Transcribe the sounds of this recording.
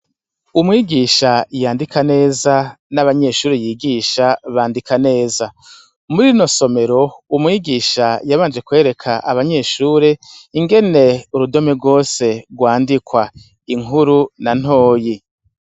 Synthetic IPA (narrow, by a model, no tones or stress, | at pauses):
umŋiːɡiːʃajaːndikʰane̞ːza | naβaɲe̞ʃuːɾejiːɡiːʃaβaːndikane̞ːza | muɾino̞so̞me̞ɾo̞umŋwiːɡiːʃajaβaːnd͡ʒe̞kwe̞ːɾe̞kʰaʔaβaɲe̞ʃuːɾeiŋɡe̞ne̞uɾudo̞meɡo̞ːse̞ɡwaːndikwa | iŋuɾunan̥ho̞ːji